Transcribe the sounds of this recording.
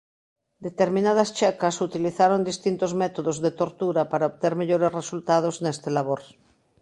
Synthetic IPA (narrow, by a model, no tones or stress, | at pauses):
d̪et̪eɾmĩnað̞ast͡ʃɛkasut̪iliθaɾond̪ist̪int̪ozmet̪oðozðet̪oɾt̪uɾapaɾaoβt̪eɾmeʎoɾesresult̪að̞oznest̪elaβoɾ